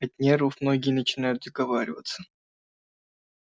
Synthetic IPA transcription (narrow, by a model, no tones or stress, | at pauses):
ɐt̪̚ʲnʲeɾəfmno̞ɡʲɪjənət͡ɕɪnajʊt̪̚d̪əɡɐvaɾʲɪ̰və̰t̪sə